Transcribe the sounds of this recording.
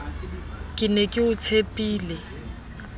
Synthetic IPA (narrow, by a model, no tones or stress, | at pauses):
kʼɪnɛkʼɪʊt͡sʰepʼiːlɛ